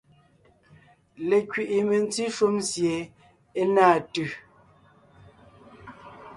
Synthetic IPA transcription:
le˨kɥi˨ʔi˨me˨n˦ti˦ʃu˦msje˨ | e˦naː˦˨tʉ˨

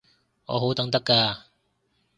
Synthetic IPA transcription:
ŋɔ̰ː˨˧ɦo˨˥wt̪ɐ˨˥ŋt̪ɐ˥kːaː˧

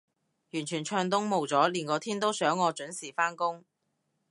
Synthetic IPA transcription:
jyː˨˩nt͡ʃʰyː˨˩nt͡ʃʰœː˧ŋt̪̬ʊ˥ŋmo˨˩wt͡sɔː˨˥liː˨˩nkɔː˨˧t̪ʰiː˥nt̪o˥wsœː˨˥ŋːɔː˨˧t͡ʃɵ˨˥nsiː˨˩faː˥nkʊ˥ŋ

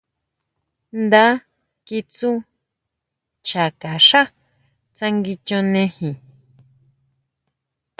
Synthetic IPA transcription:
nd̪a˦ | ki˧t͡su˦ | t͡ʃa˨ka˨ʂa˦ | t͡sã˧ŋɡi˧t͡ʃõ˧nẽ˧hĩ˨

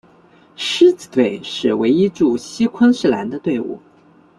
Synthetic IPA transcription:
ʂɻ̩˥t͡sɹ̩˨˩t̪we˥˩ɪʂɻ̩˥˩we˧˥ɪi˥ʈ͡ʂu˥˩ɕi˥kʰə˥nʂɻ̩˥˩la̰˧˥nd̪ə˧t̪we˥˧ɪṵ˥˩

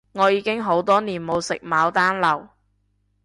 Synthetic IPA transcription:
ŋɔː˨˧jiː˨˧kɪ˥ŋɦo˨˥wt̪ɔː˥niː˨˩nmo˨˧wsɪ̰˨k̚maː˨˧wt̪aː˥nlɐ˨˩w

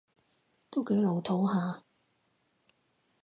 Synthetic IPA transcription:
t̪o˥wke˨˥jlo˨˧wt̪ʰo˨˥wɦaː˨˧

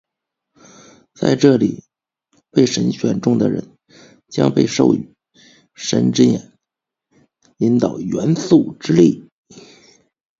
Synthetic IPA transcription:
t͡sa̰˥˧ɪʈ͡ʂɤ˥˩lḭ˨˩ | pe˥˩ɪʂə˧˥nɕɥɛ˨˩nʈ͡ʂʊ˥˩ŋd̪ə̰˩ɻə̰˧˥n | t͡ɕjɑ̰˥ŋpe˥˧ɪʂo̰˥˩ʊy˨˩ | ʂə̰˧˥nʈ͡ʂɻ̩˥jɛ˨˩n | i˧˥nt̪ɑ˨˩ʊɥɛ˧˥nsu˥˩ʈ͡ʂɻ̩˥li˥˩

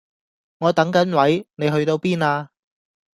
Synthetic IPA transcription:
ŋɔː˨˧t̪ɐ˨˥ŋkɐ˨˥nwɐ˨˥jne˨˧jɦɵ˧ɥt̪o˧wpiː˥naː˧

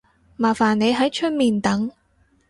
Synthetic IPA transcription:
maː˨˩faː˨˩nːe˨˧jɦɐ˨˥jt͡ʃʰɵ˥t̚miː˨˩nt̪ɐ˨˥ŋ

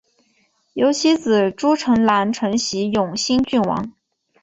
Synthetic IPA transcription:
jo˧˥ʊt͡ɕʰi˥t͡sɹ̩˨˩ʈ͡ʂu˥ʈ͡ʂʰɤ˧˥ŋla˧˥nʈ͡ʂʰɤ˧˥ŋɕi˧˥jʊ˨˩ŋɕi˥nt͡ɕy˥˩nwɑ̰˧˥ŋ

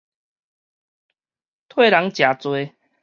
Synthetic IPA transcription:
t̪ʰwe˥˧˨la˨˦ŋt͡ɕja˨t͡swe˧

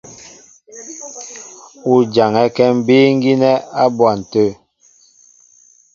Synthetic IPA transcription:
u˨d͡ʒa˨ŋɛ˦kɛ˦m̩˦biː˦ŋ̩˦ɡi˦nɛ˦a˦bwa˨n̩˨tø˦˨

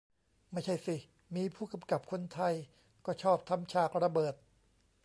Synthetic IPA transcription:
ma˥˩jt͡ɕʰa˥˩jsi˨˩ | miː˧pʰuː˥˩ka˧mka˨˩p̚kʰo˧nt̪ʰa˧j | kɔː˥˩t͡ɕʰɔː˥˩p̚t̪ʰa˧mt͡ɕʰaː˨˩k̚ɾa˧bɤː˨˩t̪̚

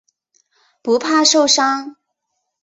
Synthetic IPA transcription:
pu˧˥pʰa˥˧ʂo˥˧ʊʂɑ˥ŋ

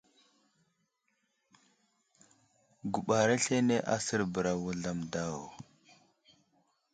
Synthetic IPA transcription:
ɡu˨ɓa˨ɾa˦ɬe˦ne˦ʔa˦sə˦ɾbə˨ɾa˨wu˦ɮa˨mda˦˨wo˨

